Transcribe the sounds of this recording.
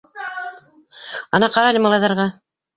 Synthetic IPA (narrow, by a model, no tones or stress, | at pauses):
ɑnɑqɑɾɑlʲɤmɑlˠɑjðɑɾʁɑ